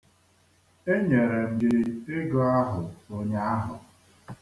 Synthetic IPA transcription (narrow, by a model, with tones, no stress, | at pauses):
e˦ɲe˨ɾe˨m̩˦ɡɪ˦e˦ɡɔ˦a˦ɦʊ˨o˦ɲe˦a˦ɦʊ˨